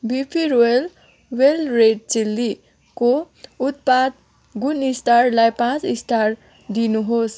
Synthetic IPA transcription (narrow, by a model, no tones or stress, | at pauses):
bipʰiɾoel | welreʈ̚t͡silːi | ko | ut̪̚pad̪̚ | ɡunisʈʰarlajpãt͡sisʈʰar | d̪inuɦos